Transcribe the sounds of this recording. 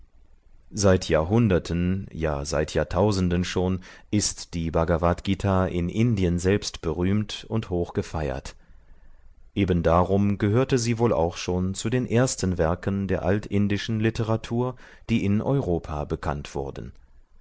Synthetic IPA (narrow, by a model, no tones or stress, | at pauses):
z̥aɪtʰjaːɐɦʊndɐtʰənja̰ːza̰ɪtʰjaːtʰaʊzn̩dənʃoːnʔɪstd̥iːbaɡavatɡ̥itʰaːʔɪnʔɪndiənzɛlpstb̥əʁyːmtʊnthoːxɡ̥əfaɪɐ̰t | ʔeːbən̩daːʁʊmɡəɦøːɐtəziːvoːla̰ʊxʃoːnt͡sudeːnʔeːɐstn̩vɛɐkəndeːɐʔaltɪndɪʃn̩lɪtəʁatʰuːɐ | d̥iːʔɪnʔɔ̰ʏʁoːpʰaːbəkʰa̰ntv̥ʊ̰ɐdn̩